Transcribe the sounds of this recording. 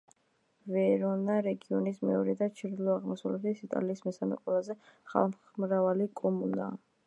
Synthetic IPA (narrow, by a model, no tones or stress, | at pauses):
vɛɾɔnaɾɛɡiɔnismɛ̰ɔɾɛd̪at͡ʃʰiɾd̪lˠɔaʁmɔsalɛʃisit̪ʼa̰liːsmɛsamɛ̰qʼwɛlˠazɛχa̰lm | mɾavalikʼɔmuna̰ː